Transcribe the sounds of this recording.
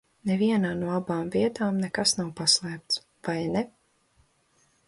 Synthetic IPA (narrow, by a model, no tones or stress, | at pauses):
nɛviɛnaːnuɔabaːmviɛt̪aːmnɛkasnawpaslˠɛːp̚t̪s | vajnɛ